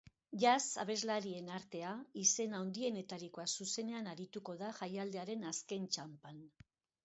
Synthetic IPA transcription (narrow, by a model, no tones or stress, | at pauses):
ʝasa̰β̞e̞zlaɾie̞naɾt̪e̞aise̞naond̪ie̞ne̞t̪aɾiko̞asuse̞ne̞anaɾit̪uko̞ðaʝajald̪e̞aɾe̞naske̞nt͡ʃampan